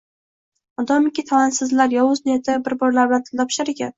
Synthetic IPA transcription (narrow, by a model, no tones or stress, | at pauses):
ɒd̪ɒmɪkʲit̪ʰawansɪzlaɾjɒwʊznɪjat̪ʰɪbɪɾbɒɾlaɾblaɾt̪ʰɪ̥lʲt̪ʰɒpʰɪ̥ʃaɾekʲa̰n